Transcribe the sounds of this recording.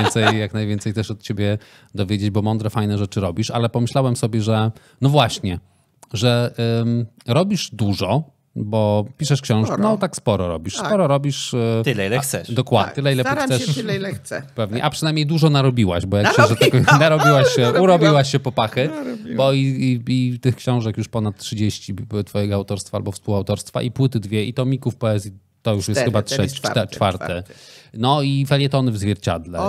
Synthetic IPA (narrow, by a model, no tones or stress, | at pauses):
ɛnsɛjjaknajvjɛnt̪sɛjt̪ɛʂɔt̪̚t͡ɕebʲjɛ | d̪ɔvʲjed͡ʑed͡ʑbɔmɔnd̪ɾɛfajnɛʐɛt͡ʂɘɾɔbʲiʂalɛpɔmɘɕlawɛmsɔbʲjɛʐɛ | nɔvwaɕɲɛ | ʐɛ | ɾɔbʲiʂd̪uʐɔ | bɔpʲiʂɛʂkɕɔ̃w̃ʂknɔt̪akspɔɾɔɾɔ̰bʲiʂspɔɾɔɾɔbʲiʂt̪lɛilɛxt̪sɛd̪ɔkwad̪t̪ɨlɛilɛxsɛlsɛpɛvɲɛ̰ʔapʂɨnajmɲejd̪uʐɔnaɾɔbʲiwa̰ɕbɔjakɕɛʐɛt̪aknaɾɔbʲiwaɕɕɛuɾɔbʲiwaɕːɛpɔpaxɘbɔiit̪ɘxkɕɔ̃w̃ʐɛkjuʂpɔnat̪tːʂɘd͡ʑeɕt͡ɕit̪fɔjɛɡɔawt̪ɔɾst̪faa̰lbɔfspuwawt̪ɔɾst̪fa̰ʔipwɘt̪ɘd̪vʲjɛit̪ɔmʲikufpɛɛzʲji | t̪ɔjuʂjɛst̪ːxɘbatʂɛɛt͡ʂfa̰ɾt̪ɛnɔifɛlʲjɛt̪ɔnɘvzvʲjɛɾt͡ɕa̰d̪lɛ